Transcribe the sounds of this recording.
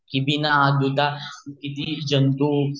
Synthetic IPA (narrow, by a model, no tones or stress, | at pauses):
kibinaad̪ut̪akit̪id͡ʒɐnt̪u